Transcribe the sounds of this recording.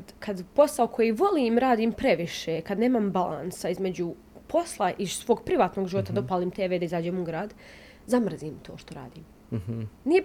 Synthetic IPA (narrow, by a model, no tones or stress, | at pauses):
kd̪kʰad̪po̞saokʰo̞jiːʋo̞liːmɾaːd̪iːmpɾe̞ʋiʃekad̪ne̞ːmambalʔa̰nsaizme̞d͡ʑu | pʰo̞slˠaʔisʋo̞ːɡpɾiʋaːt̪noɡʒiʋo̞t̪ad̪opaːliːmt̪eːʋeːd̪aizaːd͡ʑeːmuɡɾaːd̪ | zamr̩ziːmt̪ʰo̞̰ːʃt̪o̞ɾa̰ːd̪iːm | nije